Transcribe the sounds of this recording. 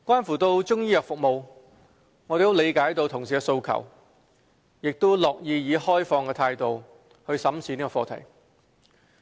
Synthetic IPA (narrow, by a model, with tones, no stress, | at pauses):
kʷwʷaː˥nfuː˨˩t̪o˧wt͡ʃʊ˥ŋjiː˥jœː˨kfʊ˨k̚mo˨w | ŋɔː˨˧e˨jt̪o˥le˨˧jkaː˨˥jt̪o˧wt̪ʰʊ˨˩ŋsiː˨˩kɛ˧so˧wkʰɐ̰˨˩w | jɪ˨k̚t̪o˥wlɔː˨k̚jiː˨˧jiː˨˧hɔː˥jfɔː˧ŋkɛː˧t̪ʰaː˧jt̪o˨w | hɵ˧ɥsɐ˨˥msiː˨˥niː˥kɔː˧fɔː˧t̪ʰɐ̰˨˩j